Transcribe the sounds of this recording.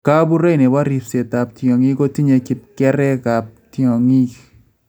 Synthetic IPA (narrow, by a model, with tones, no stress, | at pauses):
ka˦bu˦ɾe˦˨ne˨wa˦ɾi˨pse˨ta˨p̚tjɔ˨ŋi˦ko˦ti˦ɲe˧ki˨p̚kɛ˦ɾɛ˦ka˨p̚tjɔ˨ŋi˦k